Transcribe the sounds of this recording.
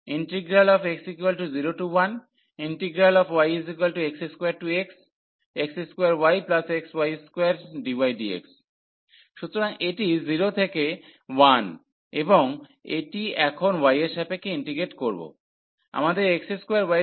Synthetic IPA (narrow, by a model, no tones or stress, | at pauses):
iɳʈiɡɾalɔfeksikualʈuziɾoʈuwan | iɳʈiɡɾalɔfʰwajesikalʈuekseskojaɾʈueks | ekseskoejaɾwajplasekswajeskoaɾɖiwajɖiḛks | ʃut̪ːoɾaŋeʈiziɾot̪ʰekewan | eboŋeʈiɛkʰonwajeʃɛpekeiɳʈiɡeʈkoɾbo̰ | a̰mad̪eɾekseskwejaɾwaj